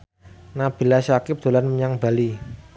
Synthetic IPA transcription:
nab̥i̤laʃakɪp̚d̪̥o̤lanməɲaŋb̥a̤li

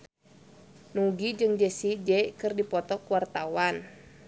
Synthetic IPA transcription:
nuɡid͡ʒɨŋd͡ʒɛsid͡ʒɛkɨrdipɔt̪ɔkuwart̪awan

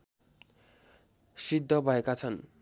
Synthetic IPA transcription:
sid̪ʱːʌbʱʌekat͡sʰʌn

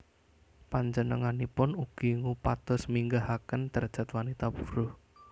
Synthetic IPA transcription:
paɲd͡ʒənəŋanipʊnuɡ̥i̤ŋupat̪ɔsmiŋɡaɦakənt̪ərd̥ʒ̥a̤t̪wanit̪apu̥ɾʊh

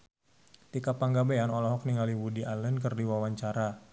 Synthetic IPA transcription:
t̪ikapaŋɡabeanɔlɔɦɔk̚niŋaliwudiʔalənkɨrdiwawaɲt͡ʃaɾa

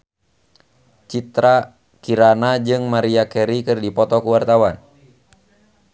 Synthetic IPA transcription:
t͡ʃit̪ɾa | kiɾanad͡ʒɨŋmaɾiakɛɾikɨrdipɔt̪ɔkuwart̪awan

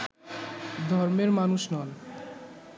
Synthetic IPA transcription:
d̪ʱɔɾmeɾmanuʃnɔn

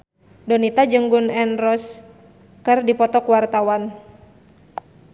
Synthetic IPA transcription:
dɔnit̪ad͡ʒəŋɡunɛnrɔs | kɨrdipɔt̪ɔkuwart̪awan

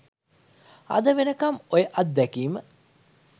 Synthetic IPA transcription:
ɐ̰d̪əʋenəkɐmojəʔɐt̪̚d̪ɛkiːmə

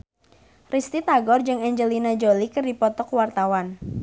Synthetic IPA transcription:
rist̪it̪aɡɔrd͡ʒɨŋɛɲd͡ʒəlinad͡ʒolikɨrdipɔt̪ɔkwart̪awan

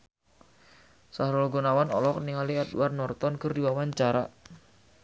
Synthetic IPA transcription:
sahɾolɡonawanɔlɔk̚niŋaliadṵarnɔrt̪ɔnkɨrdiwawaɲt͡ʃaɾa

